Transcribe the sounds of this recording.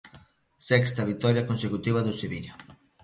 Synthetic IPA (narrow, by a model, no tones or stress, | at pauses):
sɛkst̪ɐβ̞it̪ɔɾjɐkonsekut̪iβɐðʊseβiʎa